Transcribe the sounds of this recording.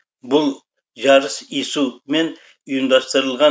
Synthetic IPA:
bʊlˠ | ʒɑɾəsisume̞n | ʊjɪmd̪ɑst̪əɾəlˠʁɑ

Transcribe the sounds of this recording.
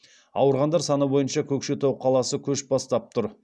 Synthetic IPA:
ɑ̰wəɾʁɑnd̪ɑɾsɑnəbo̞jənʃɑkʲʰɵkʃet̪ʰowqʰɑlˠɑsəkʲʰɵʃbɑst̪ɑp̚t̪ʰʊɾ

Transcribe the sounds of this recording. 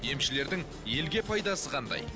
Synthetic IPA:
je̞mʃɪle̞ɾd̪ɪŋ | je̞lɡʲe̞pʰɑjd̪ɑsəqʰɑnd̪ɑ̰j

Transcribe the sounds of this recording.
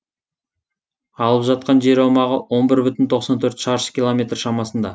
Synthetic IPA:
ɑlˠəpʒɑt̪̚qɑnʒe̞ɾɑwmɑʁəwo̞nbɪɾbʏt̪ɪnt̪ʰo̞qsɑnt̪ʰɵɾt̪ʃɑɾə̥z̥kʲilˠomʲe̞t̪rʃɑmɑsənd̪ɑ

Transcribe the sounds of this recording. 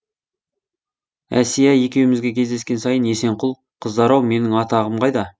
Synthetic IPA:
æ̰sijæje̞kʲe̞wɪmɪzɡʲe̞kʲʰe̞zd̪eskʲe̞nsɑjənje̞se̞ɴqʰʊlˠ | qʰəzd̪ɑɾɑwme̞nɪŋɑt̪ɑʁəmqɑjd̪ɑ

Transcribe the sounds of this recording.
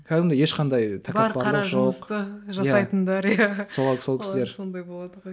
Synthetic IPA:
kʲʰæd̪ɪmd̪ejeʃqʰɑnd̪ɑjt̪ʰæbɑɾpɑɾɑɾɑʒo̞mqst̪əʒɑjsɑjt̪ənd̪ɑɾjasoso̞lˠkɪsɪleɾsond̪ɑjbolˠɑd̪əʁoj

